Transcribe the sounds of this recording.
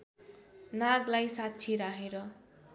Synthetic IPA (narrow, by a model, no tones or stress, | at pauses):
naɡlajsatːt͡sʰiɾaɦeɾʌ